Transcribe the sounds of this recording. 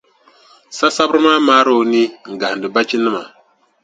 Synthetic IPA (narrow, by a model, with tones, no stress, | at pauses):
sa˦sa˦bɾɨ˦maː˦maː˦ɾo˦ni˦ŋ̩˨ɡa˨n˨dɨ˨ba˦t͡ʃi˦nɨ˦ma˨